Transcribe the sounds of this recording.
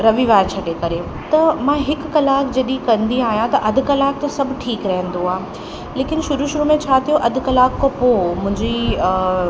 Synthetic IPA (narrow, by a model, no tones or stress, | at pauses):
ɾɐʋiʋaːɾt͡ɕʰɐʈekɐɾe | t̪ɐmãɦɪkkɐlaːkd͡ʑɐɗĩkɐ̃nd̪iaːɦijãt̪ɐʔɐd̪ʱkɐlaːk̚t̪ɐsɐbʱʈʰiːkɾɐɦə̃nd̪oaːɦe | leːkɪnʃʊɾuʃʊɾumẽt͡ɕʰaːt̪ʰijoʔɐd̪̆ʱkɐlaːkːopoːmʊ̃ɪ̃ɲd͡ʑi